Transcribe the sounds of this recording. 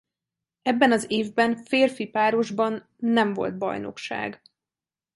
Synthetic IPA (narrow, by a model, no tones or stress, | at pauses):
ɛbːɛnɒzeːvbɛnfeːrfipaːɾo̞ʒbɒnː | ɛɱvo̞̰lt̪̚bɒ̰jno̞̰kʃa̰ːɡ